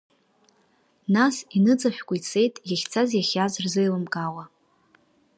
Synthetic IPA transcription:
nasinɨd͡zʼaħʷᶣkʷʼait͡sʰe̞jtʼjaχʲt͡sʰazjaχʲazrzɨjlɨmɡʼawa

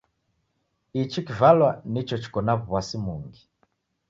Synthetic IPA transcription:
it͡ʃikivalwanit͡ʃɔt͡ʃi̥kɔnaβuβwasimuŋɡi

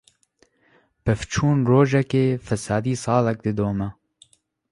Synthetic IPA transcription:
pɛft͡ʃʰuːnroːʒɛkeːfɛsaːd̪iːsɑːlɛk̚d̪ɨd̪oːmɛ

